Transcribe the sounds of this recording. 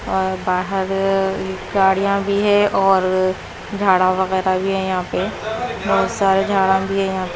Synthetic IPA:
ɔːɾbaːɦəɾɦiɡaːɽijãbʱiɦɛ̃ʔɔːɾ | d͡ʒʱaːɽãʋɐɣɛːɾabʱiɦɛ̃jɐɦãːpeboːt̪saːɾed͡ʒʱaːɽãbʱiɦɛ̃jɐɦãːp

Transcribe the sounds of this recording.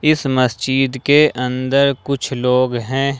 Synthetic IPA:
ɪsmɐst͡ʃiːd̪keʔɐ̃nd̪əɾkʊt͡ʃʰloːɡɦɛ̃ː

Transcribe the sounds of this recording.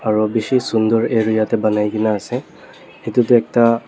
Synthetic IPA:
aɹubisisundɔɹeɹujatɛbanajkinaːsɛ | hitutʊɛk̚ta

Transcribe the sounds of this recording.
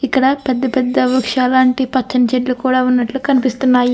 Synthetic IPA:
ikːɐɽɐpɛd̪ːɐpɛd̪ːɐʋukʂaːlaːɳʈipɐt͡ʃːɐnɐt͡ʃeɖlukuːɽaːunːɐʈlukɐnipist̪unːaːji

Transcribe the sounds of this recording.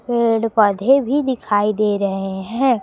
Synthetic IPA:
keːɖpɐd̪ʱebʱid̪ɪkʰaːid̪eːɾɐɦeɦɛ̃ː

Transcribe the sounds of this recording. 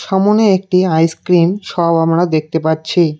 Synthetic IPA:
ʃɔmoneek̚ʈiajskkɾinʃɔbamɾad̪ek̚t̪epaɾt͡ɕʰi

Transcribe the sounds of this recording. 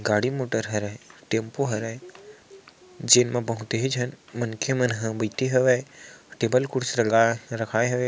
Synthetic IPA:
ɡaːɽimoːʈəɾɦɐɾəʈeːmpoɦɐɾə | d͡ʒeːnmãpəɦũt̪eɦid͡ʒʱənmənkʰemənɦə̃bəit̪eɦɐʋeʈeːbəlkʊɽsɾɐɡaɾɐkʰaːeɦɐʋe

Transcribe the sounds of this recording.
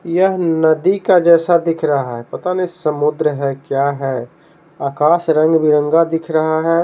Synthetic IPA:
jəɦnɐd̪ikad͡ʒɛːsad̪ɪkʰɾɐɦaɦɛpɐt̪anisəmʊd̪ɾəɦɛkjaɦɛ | aːkaːsɾə̃ŋɡbʱiɾə̃ŋɡad̪ɪkʰɾɐɦaɦɛ

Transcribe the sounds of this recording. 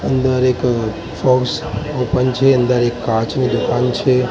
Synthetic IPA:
ənd̪əɾek | fɔksopənt͡ʃʰeənd̪əɾekːãt͡ʃnid̪ukant͡ʃʰe

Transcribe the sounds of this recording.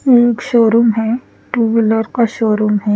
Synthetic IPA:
eːkʃoːɾuːmɦɛ | ʈuːʋɪləɾkaʃoːɾumɦɛ

